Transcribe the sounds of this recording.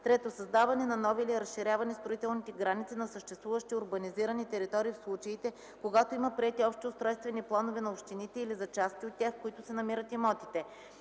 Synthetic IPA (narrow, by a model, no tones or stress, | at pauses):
t̪ɾɛt̪osɐzd̪avɐnɛnɐnɔviliɾɐsʃiɾʲavɐnɛst̪ɾoit̪ɛlˠnit̪ɛɡɾanit̪sinɐsəʃt̪ɛst̪vuvəʃt̪iʊɾbɐniziɾənit̪ɛɾit̪ɔɾiːfslˠut͡ʃɐit̪ɛ | koɡat̪oimɐpɾiɛt̪iɔpʃt̪iʊst̪ɾɔjst̪vɛniplˠanovɛnɐopʃt̪init̪ɛilizɐt͡ʃast̪iot̪ːʲjaxkoit̪ʊsɛnɐmiɾət̪imɔt̪it̪ɛ